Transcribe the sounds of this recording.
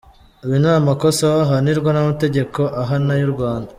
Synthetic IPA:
uβinaːmako̞sawaɦaniɾɡwanamate̞ɟe̞ko̞ʔaɦanajuɾɡwaːnda

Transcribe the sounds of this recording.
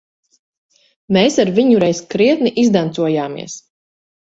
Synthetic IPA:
meːsaɾviɲuɾɛjskɾiɛt̪niʔizd̪ant̪suɔjaːmḭɛs

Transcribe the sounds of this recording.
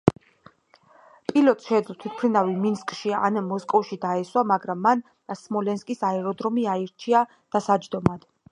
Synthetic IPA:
pʼilɔt̪ʼʃɛd̪lt̪ʰit̪̚ʰpʰɾinaviminskʼʃia̰namɔskʼɔfʃid̪aɛswamaɡɾamːan | asmɔlɛnskʼisaɛɾɔd̪ɾɔmiaiɾt͡ʃʰia | d̪̥asad͡ʒd̪ɔmad̪̥

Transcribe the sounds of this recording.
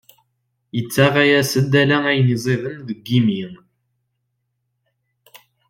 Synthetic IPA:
jət͡sːæʁæjæsəd̪ælææjnizˤeðənðəɡːimiŋ

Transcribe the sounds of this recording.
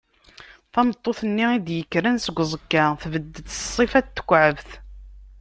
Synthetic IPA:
θɑmət̪ˤːoθənːiid̪jəkːɾænsəɡʷːzˤəkːaθvəd̪ːət̪ssˤːifæt̪ːə̥kʷːʕəvθ

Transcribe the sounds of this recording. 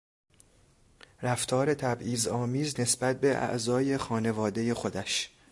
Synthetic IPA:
ɾæft̪ʰɒːɾe̞t̪ʰæbʔiːzɒːmiːzne̞sbæt̪̚be̞ʔæ̰ʔzɒːje̞xɒːne̞vɒːd̪e̞je̞xo̞d̪æʃ

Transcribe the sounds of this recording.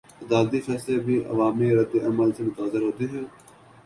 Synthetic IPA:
əd̪aːld̪iːfɛːsleːbiːʔə̰ʋaːmiːɾəd̪eʔəməlsʰeːmʊt̪aːzɪɾɦõːd̪iːɦjoː

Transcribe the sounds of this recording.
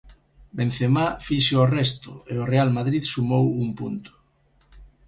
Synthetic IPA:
benθemafiʃorɛst̪ʊeʊrealmaðɾiðsumowuŋpunt̪ʊ̥

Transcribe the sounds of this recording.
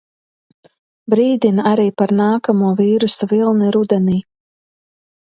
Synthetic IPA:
bɾiːd̪ʲinaɾiːpaɾnaːkamuɔviːɾusavilˠniɾud̪ɛniː

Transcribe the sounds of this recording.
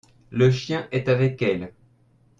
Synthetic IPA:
ləʃjɛ̃ʔɛt̪avɛkɛl

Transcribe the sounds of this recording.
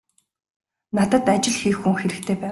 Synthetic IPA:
nat̪ə̆t̪at͡ɕɪ̆ɮxixːuŋxeɾɘ̆kt̪ʰeːpæː

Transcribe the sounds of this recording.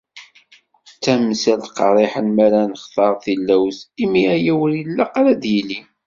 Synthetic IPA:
t͡sːæmːsælqɑɾˤiħəlmæɾænəχtɑɾˤθilːæwsimiæjæwəɾəlːæqɾæd̪jili

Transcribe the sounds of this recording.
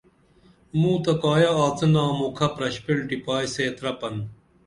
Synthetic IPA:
muːt̪ɐkaːjɐaːt͡sɨnãːmukʰɐpɾɐɕpiɽɖipaːjseːt̪ɾɐpɐn

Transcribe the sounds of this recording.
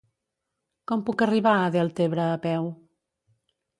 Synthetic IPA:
kɔmpukəriβ̞aəðɛlˠt̪eβɾəːpɛw

